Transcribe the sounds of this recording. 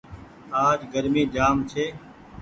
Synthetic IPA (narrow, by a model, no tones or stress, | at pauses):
aːd͡ʒɡəɾmiːd͡ʒaːmt͡ʃʰeː